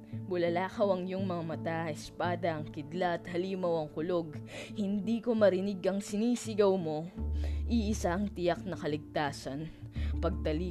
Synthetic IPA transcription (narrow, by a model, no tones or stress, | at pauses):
bʊlɐlaːkɐwɐŋjʊŋmɐŋamɐt̪aɐʔɛspaːd̪ɐɐŋkɪd̪laɐt̪hɐliːmɐwɐŋkʊlo̞ɡhɪnd̪iːko̞mɐɾɪnɪɡʔɐŋsɪniːsɪɡɐwmo̞ʔiʔɪsaʔɐŋt̪ɪjak̚nɐkɐlɪɡ̚t̪aːsɐnpɐɡ̚t̪ɐliː